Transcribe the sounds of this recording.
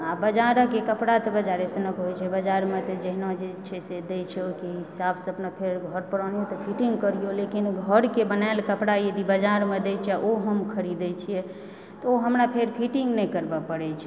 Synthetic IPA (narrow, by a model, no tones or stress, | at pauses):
abəd͡ʒaɾəkekəpɽat̪ɔbəd͡ʒaɾɛsənəkɦojt͡ʃʰɛbəd͡ʒaɾmet̪ɔd͡ʒəɦinad͡ʒet͡ʃʰɛsed̪ɛt͡ʃʰɛokeɦisabsəpnəpʰeɾɡʱəɾpəɾənijot̪ɔpʰiʈiŋɡkəɾijolekinɡʱəɾkebənaelkəpɽajed̪ibəd͡ʒaɾmed̪ɛt͡ʃʰɛʔoɦəmkʰəɾid̪ɛt͡ʃʰijɛ | t̪ɔoɦəmɾapʰeɾpʰiʈiŋɡnɛjkəɾbəpəɽɛt͡ʃʰɛ